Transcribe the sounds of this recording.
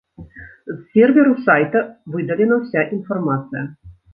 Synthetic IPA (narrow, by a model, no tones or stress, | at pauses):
zsʲɛrvʲɛɾusajt̪ɐvɨd̪ɐlʲɛnɐwsʲaʔinfarmat̪sɨjɐ